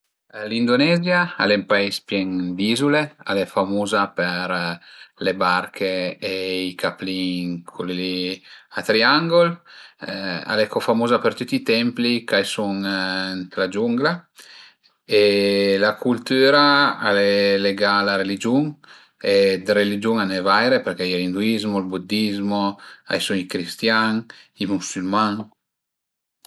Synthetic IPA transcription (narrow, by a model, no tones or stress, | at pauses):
lind̪onɛzjaa̰lɛmpaispjɛŋd̪izulea̰lɛfamuːzapeɾlebaɾkʰeeikapliŋkʰuliat̪ɾiaŋɡol | a̰lɛkɔfamuzapeɾt̪ut̪ːit̪ɛmplikajsuŋnt̪lad͡ʒuŋɡla | elakʰult̪yːɾaa̰lɛleɡalaɾelid͡ʒuŋ | ed̪ɾelid͡ʒuŋanevajɾepeɾkɛilind̪uizmolbud̪izmoa̰jsuŋikɾist̪jaŋimusylmaŋ